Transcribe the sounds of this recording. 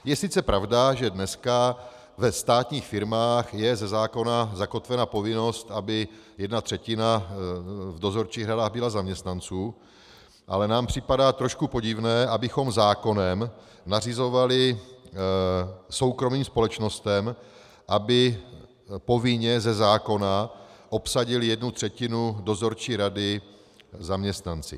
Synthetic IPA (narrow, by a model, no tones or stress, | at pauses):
jɛsɪt͡sɛpɾavdaʒɛdnɛska | vɛst̪aːt̪ɲiːxfɪɾmaːxjɛzɛzaːko̞nazako̞t̪vɛnapo̞vɪno̞st̪ʔabɪjɛdnat̪r̝̥ɛcɪna | vdo̞zo̞ɾt͡ʃiːɣradaːɣbɪlazamɲɛst̪nant͡suː | ʔa̰lɛnaːmpr̝̥ɪpadaːt̪ɾo̞ʃkupo̞ɟɪvnɛːʔabɪxomzaːko̞nɛm | narɪzo̞valɪ | so̞wkɾo̞miːmspo̞lɛt͡ʃno̞st̪ɛm | ʔabɪ | po̞vɪɲɛzɛzaːko̞naʔo̞psaɟɪljɛdnut̪r̥ɛcɪnudo̞zo̞ɾt͡ʃiːɾadɪ | zamɲɛst̪nant͡sɪ̰